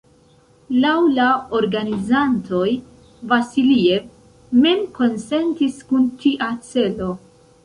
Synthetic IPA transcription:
lawlaoɾɡanizanto̞j | vasilie̞v | me̞mko̞nse̞ntiskuntiʔat͡se̞lo̞

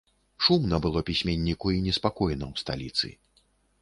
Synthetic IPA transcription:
ʂumnɐbɨlˠɔpʲisʲmʲɛnʲːikuinʲɛspakɔjnɐwst̪a̰lʲit̪sɨ̰

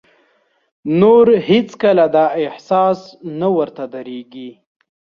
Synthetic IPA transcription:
noɾhet͡skəlad̪ɑɪhsɑsnawəɾt̪ad̪aɾeɡi

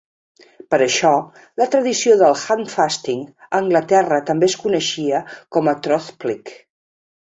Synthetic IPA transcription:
pəɾəʃɔ | lət̪ɾəðisioðəlˠxanfast̪iŋ | əŋɡlət̪ɛrət̪əmbeəskunəʃiəkɔmət̪ɾɔθplik

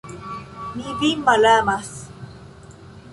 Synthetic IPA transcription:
nibimalamas

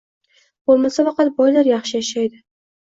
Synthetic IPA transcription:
b̥olˠmasafɑqɑt̪̚bɒjlaɾjɑχʃɪjaʃajd̪ɪ

